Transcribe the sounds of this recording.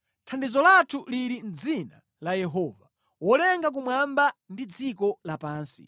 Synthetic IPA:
tʰandizɔlatʰuliɾin̩d͡zina | lajɛɦɔva | wɔlɛŋɡak̬umwambandid͡zik̬ɔlapaːnsḭ

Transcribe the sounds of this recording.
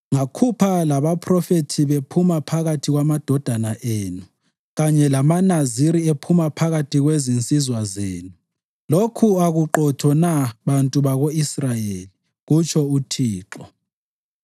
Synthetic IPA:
ŋakʰupʰalaβapʰrɔfetʰiβepʰumapʰaɣatʰiɣwamad̥ʱɔd̥ʱanaʔeːnu | ɣaɲɛlamanaziɾiepʰumapʰaɣatʰiɣwezint͡sʼizwazeːnu | lokʰuaɣuǃɔtʰɔnaβantʼuβaɣoisrajeːli | ɣut͡ʃʰɔutʰiːǁɔ

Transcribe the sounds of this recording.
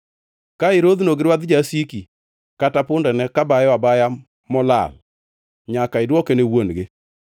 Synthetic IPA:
kaɪɾod̪noɡɪɾwad̪d͡ʒasiki | katapʊndɛnɛkabajabaja | mɔla̰l | ɲakaɪdwɔkenewonɡe

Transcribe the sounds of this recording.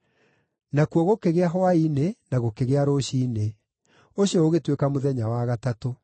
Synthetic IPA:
nakuɔɣokeɣeaɦɔainenaɣokeɣeaɾoɕiːne | oɕiɔoɣetwekamoðɛɲawaɣatato

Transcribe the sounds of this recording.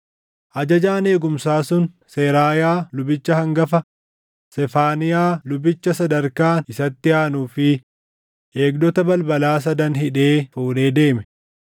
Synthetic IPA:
ʔɐd͡ʒɐd͡ʒaːne̞ːɡʊmsaːsʊn | seːɾaːjaːlʊbɪt͡ʃːɐhɐŋɡɐfɐ | sɛfaːnɪjaːlʊbɪt͡ʃːɐsɐd̪ɐɾkaːnɪsɐt̪ːɪaːnuːfɪ | ʔe̞ːɡd̪ɔt̪ɐbɐlbɐlaːs̬ɐd̪ɐnɦɪᶑe̞ːfuːle̞ːd̪e̞ːmɛ

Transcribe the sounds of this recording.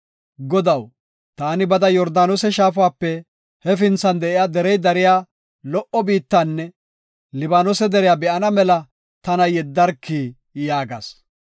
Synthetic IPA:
ɡɔd̪ɐw | t̪aːnɪbɐd̪ɐjɔɾd̪aːnosɛʃaːfʊaːpːɛ | hɛfɪnt͡sːɐnd̪ɛʔɪjaːd̪ɛɾɛjd̪ɐɾɪjaː | lɔʔɔbiːt̪ːanːɛ | lɪbaːnosɛd̪ɛɾɪjaːbɛʔɐnɐmɛlɐ | t̪ɐnɐjɛd̪ːɐɾkʰːi | jaːɡɐ̰s

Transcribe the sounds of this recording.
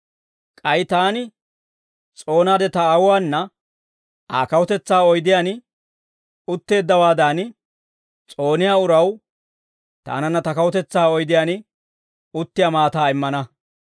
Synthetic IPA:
kʼɐjt̪aːnɪ | t͡sʼo̞ːnaːd̪ɛt̪ɐːwʊwaːnːɐ | aːkɐwɔt̪ɛt͡sːaːɔjd̪ɪjaːn | ʊt̪ːe̞ːd̪ːɐwaːd̪aːn | t͡sʼo̞ːnɪjaːʊɾɐw | t̪a̰ːnɐnːɐt̪ɐkɐwɔt̪ɛt͡sːaːɔjd̪ɪjaːnɪ | ʊt̪ːɪjaːmaːt̪aːɪmːɐnɐ

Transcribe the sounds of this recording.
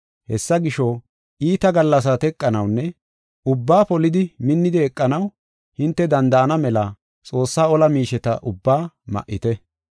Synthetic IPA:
hɛsːɐɡɪʃɔ | ʔiːt̪ɐɡɐlːɐs̬ɐt̪ɛkʼːɐnɐwnːɛ | ʊbːaːpɔlɪd̪ɪmɪnːɪd̪ɛɛkʼːɐnɐw | hɪnt̪ːɛd̪ɐnd̪ɐʔɐnɐmɛlɐ | t͡sʼo̞ːsːaːɔlɐmiːʃɛt̪ɐ̰ʔʊbːaː | mɐ̰ʔːɪt̪ɛ

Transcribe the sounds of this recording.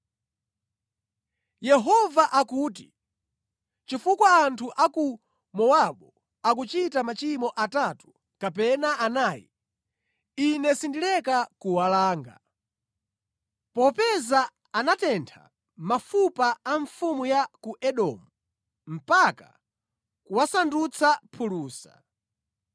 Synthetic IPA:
jɛɦɔvaʔakuːt̬i | t͡ʃifukwaːntʰuʔaku | mɔwaɓɔ | akut͡ʃitamat͡ʃimɔʔatatu̥ | kapɛnaʔanaːjḭ | inɛsindilɛkakuwalaːŋɡa̰ | pɔpɛzaː | natɛntʰa̰ | mafupaːɱfumujakuʔɛɗɔ̰ːmu | m̩paka̰ | kuwasandut͡sʰapʰuluːsa

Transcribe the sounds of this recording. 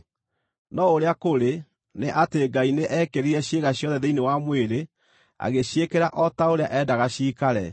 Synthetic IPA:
nɔoɾeakoɾe | neʔateɡaineʔɛkeɾiɾɛɕjeɣaɕjɔðɛðeinewamweɾe | a̰ɣeɕjekeɾaʔɔtaoɾea̰ʔɛdaɣaɕiːkaɾɛ̰

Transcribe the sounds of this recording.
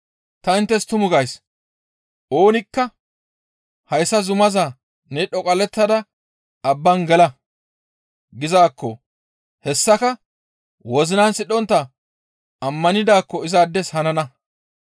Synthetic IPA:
t̪ɐɪnt̪ːɛst̪ʊmʊɡɐjs | ʔo̞ːnɪkːɐ | hɐjsːɐzʊmɐza | nɛɗɔkʼɐlɛt̪ːɐd̪ɐ | ɐbːɐnɡɛlɐ | ɡɪzaːkːɔ | hɛsːɐkɐ | wɔzɪnansɪɗɔnt̪ːɐ | ɐmːɐnɪd̪aːkːɔɪzad̪ːɛshɐnɐnɐ

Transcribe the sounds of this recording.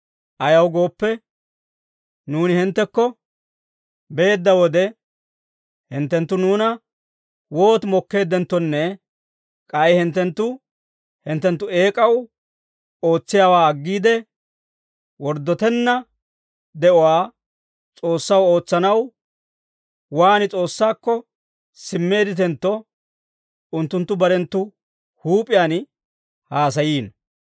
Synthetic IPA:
ʔɐjɐwɡo̞ːpːɛ | nuːnɪhɪnt̪ːɛkːɔ | be̞ːd̪ːɐwɔd̪ɛ | hɪnt̪ːɛnt̪ːʊnuːnɐ | wo̞ːt̪mɔkːe̞ːd̪ɛnt̪ːɔnːɛ | kʼɐjhɪnt̪ːɛnt̪ːʊ | hɪnt̪ːɛnt̪ːʊe̞ːkʼɐw | o̞ːt͡sːɪjaːwaːɐɡːiːd̪ɛ | wɔɾd̪ːɔt̪ɛnːɐ | d̪ɛʔɔwaː | t͡sʼo̞ːsːɐwo̞ːt͡sːɐnɐw | waːnɪt͡sʼo̞ːsːaːkːɔ | sɪmːe̞ːd̪ɪt̪̬ɛnt̪ːɔ | ʊnt̪ːʊnt̪ːʊbɐɾɛnt̪ːʊ | huːpʼɪjaːn | haːs̬ɐjiːn

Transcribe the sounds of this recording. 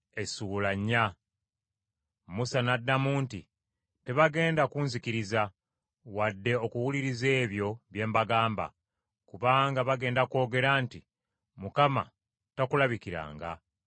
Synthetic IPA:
e̞sulaɲːa | musanadːamuːnti | te̞βaɡe̞ːndakunzikiɾiza | wadːe̞o̞kuwuliɾize̞ːβjo̞βje̞ːmbaɡaːmba̰ | kuβaːŋɡaβaɡe̞ːndako̞ːɡe̞ɾanti | mukama̰ | takulaβikiɾa̰ːŋɡa̰

